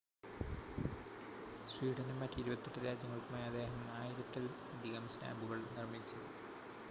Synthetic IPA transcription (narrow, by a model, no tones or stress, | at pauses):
sriːɖɐnumɐtːɐiɾubɐt̪ːeʈːɨɾaːd͡ʑjɐŋːɐɭkːumaːjɐd̪ːe̞ːɦɐmaːjiɾɐt̪ːɐlumɐd̪ʱiɣɐmsta̰ːmbuɣɐɭnirmit͡ɕːɐðɨ